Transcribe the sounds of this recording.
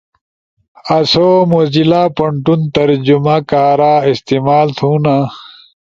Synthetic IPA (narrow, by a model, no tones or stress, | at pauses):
ɐsomozilaːpɐɳʈunt̪ɐɾd͡ʑumakaːɾaːist̪iːmaːlt̪ʰũːna